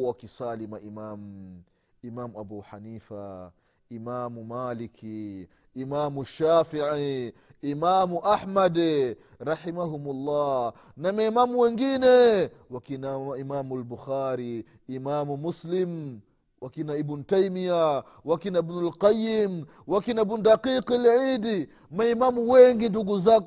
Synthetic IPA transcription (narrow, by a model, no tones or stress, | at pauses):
wakisaːlimaʔimaːm | imaːmuʔabuːħaniːfa̰ | imaːmumaːlikʰiː | maːmuʃːaːfiʕiimaːmuʔaħmad | ɾɑħimaɦumulˤːɑː | namɛmamuwɛŋɡinɛwakinaaimamalbuxaːɾiː | mamumuslim | wʔakinaibnutajmija | wakinaibnulqajːim | wakinaibnudaqiqalʕidi | maimamuwɛŋɡinduɡuza